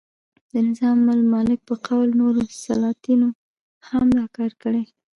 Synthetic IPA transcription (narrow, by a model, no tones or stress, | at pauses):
d̪̥ənɪzɑmːalmɑlɪk̚pəqawlnoɾosalɑt̪ino | hamd̪ɑkɑɾkəɽe